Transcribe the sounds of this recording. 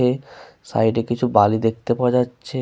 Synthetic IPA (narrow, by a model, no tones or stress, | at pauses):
e | sa̰jɖekit͡ɕʰubalid̪ek̚t̪epaed͡ʑatːɕʰe